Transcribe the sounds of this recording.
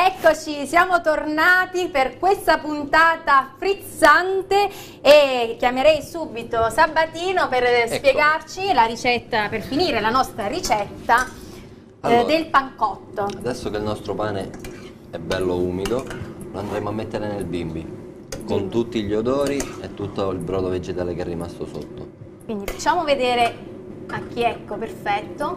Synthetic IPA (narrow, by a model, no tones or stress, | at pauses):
ɛkːot͡ʃisjaːmot̪ornaːt̪iperkwest̪apunt̪aːt̪afɾit̪sant̪eː | kjameɾɛjsuːbit̪osabːat̪iːnoperspjeɡart͡ʃilaɾit͡ʃɛt̪ːaperfiniːɾelanɔst̪ɾaɾit͡ʃɛt̪ːa | ad̪elpaŋkɔt̪ːoad̪ɛsːokeilnɔst̪ɾopaːne | ɛbːɛlːouːmid̪oloand̪ɾeːmoamːet̪ːeɾenelbimbi | kont̪ut̪ːiʎod̪ɔːɾiɛt̪ːut̪ːoilbɾɔːd̪oved͡ʒet̪aːlekɛrːimast̪oso̰t̪ːo̰ | kwind̪ifat͡ʃːaːmoved̪eːɾe | ak̟ːiɛkːoperfɛt̪ːo